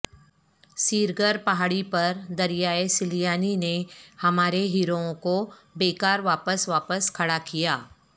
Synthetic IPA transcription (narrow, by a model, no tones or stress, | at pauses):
siːɾɡəɾpɐɦaːɽipɐɾd̪ɐɾijaːesɪlijaːninehɐmaːɾeɦiːɾoõkobeːkaːɾʋaːpəsʋaːpəskʰɐɽakijaː